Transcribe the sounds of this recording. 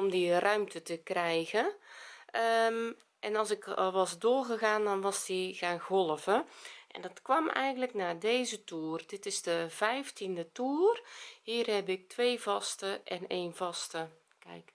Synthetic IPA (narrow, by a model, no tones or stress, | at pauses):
ɔmdirœɥmtʰətəkrɛjɣə | ə | ʔɛnɑlˠsɪklˠʋɔsdoːrɣəɣaːndɔnʋɔsdiɣaːnɣɔlˠəvəʔɛ̰ndɔtkwɔmɛ̰jɣən̩tləknaːdeːzətuːrdɪtɪzdəvɛjftindətuːərhiːərhɛbɪk̚tʰʋeːvɑstəʔɛ̰neːnvɑstə | kɛ̰jk